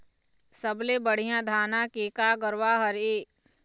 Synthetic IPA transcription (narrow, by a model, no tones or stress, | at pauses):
səblebəɽ̤ijãd̪ʱaːnãkeːkaːɡəɾwaːɦəɾeː